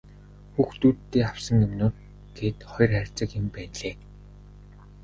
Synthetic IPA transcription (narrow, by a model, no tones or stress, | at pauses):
xuːxt̪uːtːeːaw̥sə̆ŋɵmnoːr | ɡ̥eːt̪χɔj̆rχærʲt͡sə̆kjɪmpæːnɮeː